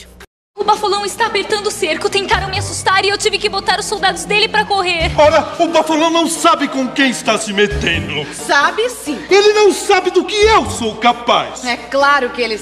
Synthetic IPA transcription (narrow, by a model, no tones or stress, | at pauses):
ʊbafolɐ̃w̃ɪst̪aːpeɾt̪ɐ̃nd̪ʊseɾkʊt̪ẽnt̪aɾɐ̃w̃mɪasust̪aɾɪiewt͡ʃivɪkɪbot̪aɾʊsːowd̪ad̪ʊzd̪elɪpɾɐkoɦeɾɔɾɐʊbafolɐ̃w̃nɐ̃w̃sabɪkõkẽj̃ɪst̪asɪmet̪ẽnd̪ʊ | sabɪsĩelɪnɐ̃w̃sabɪd̪ʊkɪewsowkapa̰sɛklaɾʊkɪelɪ